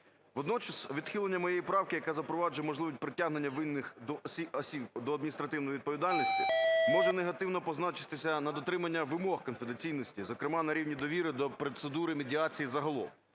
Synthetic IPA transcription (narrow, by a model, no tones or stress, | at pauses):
ʋɔd̪nɔt͡ʃɐsʋʲid̪xɪlˠenʲːɐmɔjejipɾɑwkɪjɐkɛzɐpɾɔʋɑd͡ʒʊjɛmɔʒlˠɪʋʲsʲt̚ʲpɾɪtʲaɦne̞nʲːɐʋɪnːɪxd̪ɔsʲiɔsʲib̚d̪ɔɐd̪mʲinʲist̪ɾɐt̪ɪwnɔjiʋid̪̚pɔʋʲid̪ɑlʲnʲisʲtʲimɔʒɛneɦɐt̪ɪwnɔpɔznɑt͡ʃɪt̪ɪsʲɐnɐd̪ɔt̪ɾɪmɐnʲːɐʋɪmɔhkɔnfed̪et͡sʲijnɔsʲtʲizɔkɾɪmɑnɐɾʲiwnʲid̪ɔʋʲiɾɪd̪ɔpɾet̪sed̪uɾɪmedʲiɑt͡sʲijizɐɦɔlˠɔ̰w